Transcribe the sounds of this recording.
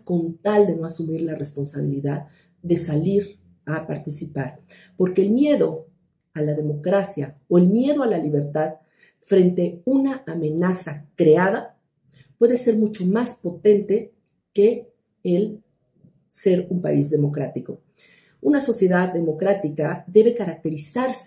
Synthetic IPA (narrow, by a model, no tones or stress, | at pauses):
ko̞nt̪ald̪e̞no̞asumiɾlare̞spo̞nsaβiliðað | ðe̞saliɾ | apaɾt̪isipaɾ | po̞ɾke̞ːlmje̞ðo̞ | alaðe̞mo̞kɾasjaoe̞lmje̞ðo̞alaliβe̞ɾt̪að | fɾe̞nt̪e̞unaːmẽ̞nasakɾeaða | pwe̞ðe̞se̞ɾmut͡ʃo̞maspo̞t̪e̞nt̪e̞ | ke̞ | el | se̞ɾumpa̰izðe̞mo̞kɾat̪iko̞ | unaso̞sje̞ðaððe̞mo̞kɾat̪ikaðe̞βe̞kaɾak̚t̪e̞ɾisaɾs